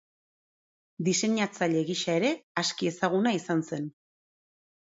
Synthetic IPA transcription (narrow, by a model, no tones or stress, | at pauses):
d̪ise̞ɲat͡saʎe̞ɣiʃae̞ɾe̞askie̞saɣunaisanse̞n